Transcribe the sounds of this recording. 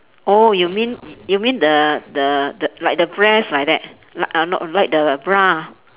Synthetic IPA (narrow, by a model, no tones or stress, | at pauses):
ʔojumĩnjumĩndədədəlaɪjk̚dəbɹɛslaɪjk̚dɛt̚ | lanɔ̰tlajk̚dəbɹa